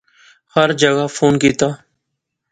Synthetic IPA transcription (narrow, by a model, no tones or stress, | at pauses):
həɾd͡ʒəɡaːfʰoːnkiːt̪aː